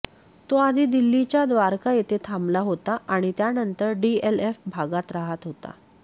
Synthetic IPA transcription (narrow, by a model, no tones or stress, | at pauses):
t̪oad̪ʱiːd̪ilːit͡ɕjad̪ʋaɾkajet̪ʰet̪ʰamlaɦot̪aʔaɽ̃it̪janənt̪əɾɖielefbʱaɡat̪ɾaɦat̪ɦot̪a̰